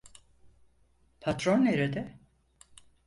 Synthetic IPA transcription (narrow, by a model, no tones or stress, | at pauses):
pʰat̪ɾoneɾed̪ɛ